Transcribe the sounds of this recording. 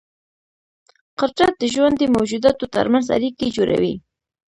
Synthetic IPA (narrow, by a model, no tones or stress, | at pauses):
qəɾt͡ʃat̪̚d̪əʒwand̪əmawd͡ʒud̪at̪ot̪ə̰ɾmanza̰ɾiked͡ʒoɾa̰wi